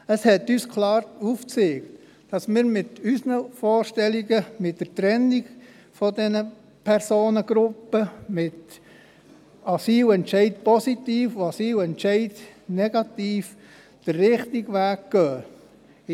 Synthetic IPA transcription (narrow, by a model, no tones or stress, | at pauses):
əshɛt̪ːyːskʰlɑːɾuːft͡seːɡt | d̥ɑsmɪːɾmɪtysnəfɔːɾʃtɛliɡəmɪtdətɾɛnːɪɡ̥ | fɔdɛnə | pʰɛɾsoːnəɡ̥ɾʊpːəmɪt̪ | ɑsiːlɛntʃɛɪdpɔsitiːfuɑsiːwɛntʃɛɪdnɛɡ̥ɑtiːf | d̥ərːɪχtɪɡʋæːk̚ɡ̥œː